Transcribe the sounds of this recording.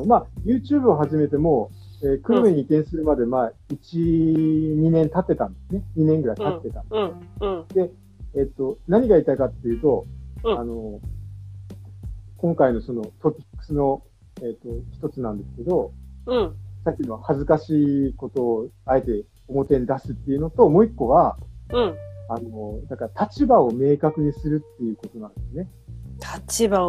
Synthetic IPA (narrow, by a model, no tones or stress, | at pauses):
maːjɯ̟ːt͡ɕɨːbɯ̟oɦaʑime̞t̪e̞mo̞ | eːkɯ̟ɾɯmeɲ̟iːt̪ːẽ̞ɰ̃sɨɾɯ̟mad̪e̞mait͡ɕi | ɲ̟inẽ̞nt̪at̪ːe̞t̪ãnd̪e̞sɨne̞ɲ̟inẽŋɡɯɾait̪at̪ːe̞t̪ã̰n | d̪̥e̞ | et̪ːo̞naɲ̟iɡait̪aikat̪ːe̞jiɯ̟ːt̪o̞ano̞ | kõ̞ŋkaino̞so̞no̞t̪o̞pʲi̥kːɯ̥sɨno̞ | eːt̪ːo̞çi̥t̪o̞t͡sɨnãnd̪e̞sɨ̥ke̞d̪o̞ | sakʲinoβahazɨkaɕiːko̞t̪o̞ːae̞t̪e̞ | omo̞t̪ẽ̞ɲ̟id̪asɨt̪ːeiɯ̟no̞t̪o̞mo̞ːikːo̞βã | anod̪akaɾat̪ʰat͡ɕibao̞me̞ːkakɯ̟ɲ̟isɨɾɯt̪ːe̞jɯ̟ko̞t̪o̞nãnd̪e̞sɨnet̪ʰḁt͡ɕiba